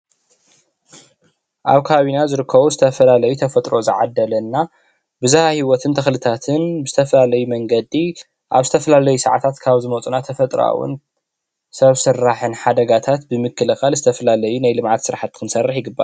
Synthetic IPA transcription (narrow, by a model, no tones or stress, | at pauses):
ʔa̰βkʰaaβinazɨɾɨkʰːɐβuzɨt̪ʰɐfɐlalɐjut̪ʰɐfɐt̪ʼɾozɨʕa̰d̪ːɐlɐnːa | bɨzɨhahiwɔt̪ʰɨnt̪ʰɐxlɨt̪ʰat̪ʰɨnbɨzɨt̪ʰɐfɐlalɐjumɐŋɡɐd̪i | ʔa̰βzɨt̪ʰɐfɐlalɐjusɐʕat̪ʰat̪kʰaβzɨmɐt͡sʼunat̪ʰɐfɐt̪ʼɾa̰wʊ̰n | sɐβsɨrːaħɨnħad̪ɐɡat̪ʰat̪bɨmɨkʰːɨlɨxalzɨt̪ʰɐfɐlalɐjunajlɨmʕat̪sɨɾħat̪kʰɨnsɐrːɨħjɪɡɨbːa̰ɾ